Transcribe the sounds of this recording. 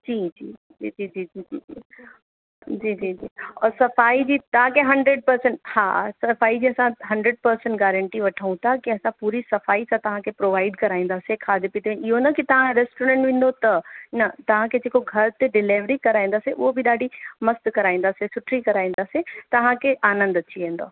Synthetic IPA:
d͡ʒiːd͡ʒiː | d͡ʒiːd͡ʒiːd͡ʒiːiːii | d͡ʒiːd͡ʒiːd͡ʒiːɔ̰ːɾsɐfaːid͡ʒiːt̪ɐãkeɦɐ̃ɳɖɾeɖ̚pɐɾsəɳʈhã̰sɐfaːid͡ʑiːɐsãɦɐ̃ɳɖɾeɖ̚pɐɾsəɳʈɡɛːɾə̃ɳʈiʋɐʈʰaːũt̪ʰakiɐsãpuːɾisɐfaːisãt̪ɐɦãkepɾoːʋaːɪɖkɐɾaːẽːn̆d̪aːsekʰaːd̪epit̪ʰeẽɪɦonɐkit̪ɐʋ̤ãɾeːsʈoːɾɛ̃ɳʈʋɪ̃ːnd̪ot̪ɐnɐt̪ɐʋ̤ãked͡ʒeːkoɡʱɐɾt̪eɖɪleːʋɾikɐɾaːẽnd̪aːseʔobʱiɗaːɖʱimɐst̪kɐɾaːẽːn̆d̪aːsesʊʈʰɾikɐɾaːẽːn̆d̪aːset̪ɐʋ̤ãkeʔaːnə̃nd̪ɐʃʰiʋẽːnd̪o̰ː

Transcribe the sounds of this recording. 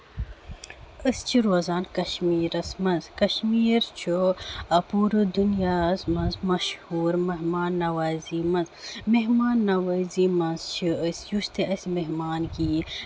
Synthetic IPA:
əst͡ʃʰiɾoːzaːnkɐʃmiːɾɐsmɐnzkɐʃmiːɾt͡ʃʰoɐpuːɾɨd̪unjaːsmɐnzmɐʃhuːɾmɐɦmaːnːɐwaːziːmɐzmeɦmaːnːɐwaziːmɐnzt͡ʃʰiəsjuʃt̪eʔɐsimeɦmaːnɡiː

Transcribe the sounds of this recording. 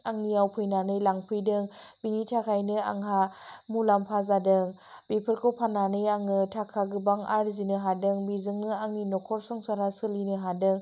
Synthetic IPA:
aŋnijawpʰɯjnanɯjlaŋpʰɯjdɯŋb̥iŋitʰakʰajnɯa̰ŋɦamulampʰazadɯŋ | bepʰɯɾkʰɯwpʰananɯjaŋɯtʰakʰaɡɯbaŋa̰ɾzinɯɦadɯŋbizɯŋnɯaŋinɔkʰɔɾsɯŋsaɾasɯlinɯɦadɯŋ

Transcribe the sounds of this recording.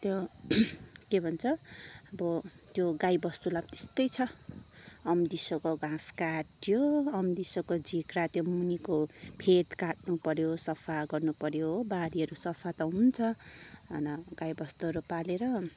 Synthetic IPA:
t̪jo | kebʱʌnt͡sʰʌʌbʌ | t̪joɡajbʌst̪ulab̚t̪e̥st̪ʌjt͡sʰʌ | ʌmd̪isokoɡãskaʈjoʌmd̪isokod͡zikɾat̪jomunikopʰet̪kaʈ̚nupʌɾjosʌpʰaɡʌrnupʌɾjobaɾiɦʌɾusʌpʰat̪ʌɦunt͡sʰʌ̰ | nʌɡajbʌst̪uɦʌɾupaleɾʌ

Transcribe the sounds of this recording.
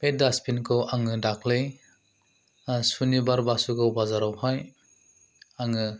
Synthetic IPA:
pet̚daspʰinkʰɯwʔaŋɯdakʰlɯj | sunibaɾbasuɡɯwbazaɾawhaj | aŋɯ

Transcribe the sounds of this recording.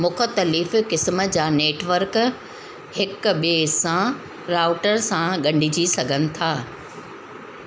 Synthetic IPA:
mʊkʰə̆t̪əliːfkɪsməd͡ʑaːneːʈʋəɾk | hɪkɓesã | ɾaːʊʈəɾsãɠɐ̃ɳɖʱɪd͡ʑisɐɡʱənɪ̆t̪ʰaː

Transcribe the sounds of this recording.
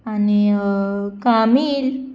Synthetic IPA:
ani | kamiːl

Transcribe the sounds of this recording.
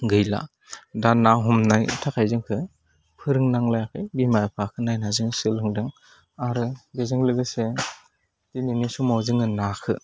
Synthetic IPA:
ɡɯjla̰ | danːaɦɔmnajtʰakʰajzɯŋkʰɯ | pʰɯɾɯŋnaŋlajakʰɯjbimajpʰakʰɯnajnazɯŋsɯlɯŋdɯŋ | aɾɯɡezɯŋlɯɡɯse | tininisumawzɯŋɯnakʰɯ̰

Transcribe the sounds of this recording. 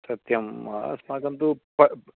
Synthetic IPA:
sɐt̪jɐma̰smaːɡɐnt̪upɐ

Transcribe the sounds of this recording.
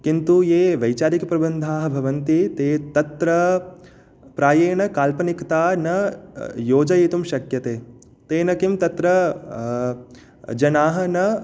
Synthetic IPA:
kint̪ujeːʋɐjt͡ʃaːɾikɐpɾɐbɐnd̪ʱaːɦɐ̆bʱɐʋɐnt̪it̪eːt̪ɐt̪ɾɐ | pɾaːjeːɳɐkaːlpɐnikt̪aːnɐjoːd͡ʒɐjit̪umʃɐkjɐt̪eː | t̪eːnɐkimt̪ɐt̪ɾɐ | d͡ʒɐnaːɦɐ̆nɐ

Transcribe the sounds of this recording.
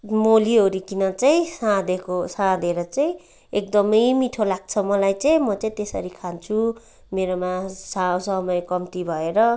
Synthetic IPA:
molioɾikinʌt͡saĩsãd̪ekʰosãd̪eɾʌt͡saĩ | ek̚d̪ʌmʌjmiʈʰolaɡ̚t͡sʰʌmʌlajt͡saĩmʌt͡saĩt̪esʌ̰ɾikʰant͡sʰu | meɾomasaosʌmʌjkʌmt̪ibʱʌeɾʌ

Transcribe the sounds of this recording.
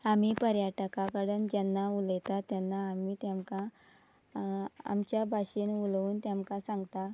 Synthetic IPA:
amiːpəɾjaʈəkakəɽənd͡ʑanːauljt̪at̪janːaːmiːt̪jamkã | a̰mt͡ɕjabʱaɕinuluːnt̪jamkãsãŋɡt̪a

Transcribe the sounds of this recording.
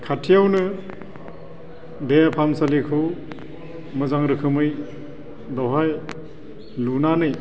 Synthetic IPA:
kʰatʰijawnɯ | dejapʰamsalikʰɯw | mɯzaŋɾɯkʰɯmɯj | dɔɦaj | lunanɯj

